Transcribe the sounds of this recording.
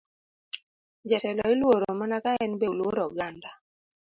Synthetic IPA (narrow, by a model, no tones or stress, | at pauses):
d͡ʒɛtɛlɔɪlwoɾomanakaɛnbelwoɾɔɡanda